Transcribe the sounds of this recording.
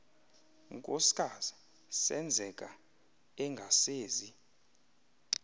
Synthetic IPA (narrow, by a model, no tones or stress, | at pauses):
ŋkʼosi̥kʼaz̥i | sɛ̰nd͡zʱɛkʼa | ɛŋɡʱaseːzi